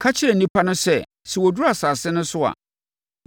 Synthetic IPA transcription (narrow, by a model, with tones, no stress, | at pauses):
kʰa˦t͡ɕʰɪ˦ɾɛ˨nĩ˦pʰa˦nʊ̃˦sɛ˦˨ | sɛ˨wɔ˨du˦ɾa˨saː˨sɪ˦nʊ̃˦sʊ˦a̰˨